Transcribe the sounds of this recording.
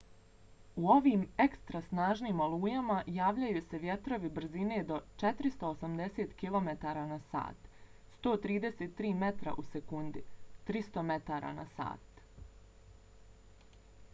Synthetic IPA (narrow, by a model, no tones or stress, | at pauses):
uo̞ʋiːme̞kst̪ɾasnaːʒniːmoluːjamajaːʋʎajuːse̞ʋje̞t̪ɾo̞ʋibr̩zine̞d̪o̞t͡ʃe̞t̪ɾist̪o̞osamd̪e̞set̪kilˠo̞me̞t̪aɾanasa̰ːt̪st̪o̞ːt̪ɾiːd̪e̞seːt̪ːɾiːme̞t̪ɾa̰ʔusekund̪it̪ɾist̪o̞me̞t̪aɾa̰na̰sa̰ːt̪